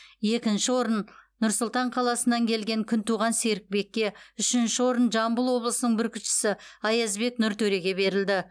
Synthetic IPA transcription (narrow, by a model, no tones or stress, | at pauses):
je̞kʲɪnʃɪwo̞ɾənː | ʊɾsʊlˠt̪ɑɴqʰɑlˠɑsənːɑŋkʲʰe̞lɡʲe̞ŋkʲʰʏnt̪uʁɑnseɾɪk̚be̞kʲːe̞ʏʃɪnʃɪwo̞ɾənʒɑmbəlˠwo̞blˠəsənəɴbʏɾkʲʰʏʃɪ̥sɪɑjɑzbe̞knʊɾt̪ʰɵɾe̞ɡʲe̞be̞ɾɪld̪ɪ